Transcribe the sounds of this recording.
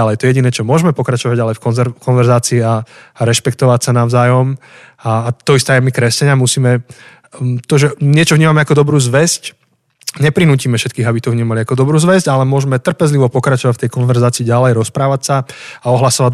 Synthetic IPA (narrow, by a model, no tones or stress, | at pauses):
alɛjt̪ɔɛjɛɟinɛːt͡ʃɔmʊɔʒmɛpɔkɾat͡ʃɔʋaɟalɛjfkɔnɛɾkɔnʋɛɾzaːt͡siːaɾɛʃpɛk̚t̪ɔʋacsanaʊzaːjɔm | aːt̪ɔist̪ɛjɛmikɾɛsɛɲɪamusiːmɛ | t̪ɔʒɛɲɪɛt͡ʃɔvɲiːmamɛakɔd̪ɔbɾuːzʋɛsc | ɲɛpɾinuːciːmɛfʃɛt̪kiːɣabit̪ɔvɲiːmaliakɔd̪ɔbɾuːzʋɛzɟalɛmʊɔʒmɛt̪r̩pɛzliʋɔpɔkɾat͡ʃɔʋacft̪ɛjkɔnʋɛɾzaːt͡siːɟalɛjɾɔspɾaːʋacsaaɔɦlasɔʋad̪